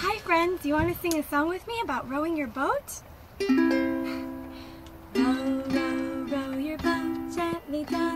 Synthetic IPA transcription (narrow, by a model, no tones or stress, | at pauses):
haɪfɹɛ̃ndɨjɨwɑ̃nɨsɪ̃ŋɨsɔ̃ŋwɨðmiɨbaʊt̚ɹoʊɪ̃ŋjə˞boʊt | oʊɹoʊɹoʊjə˞boʊttʰatlid